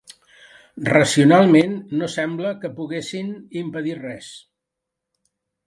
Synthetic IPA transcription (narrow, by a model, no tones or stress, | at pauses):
rəsiunalˠmenːosɛmbləkəpuɣesinimpəðirɛs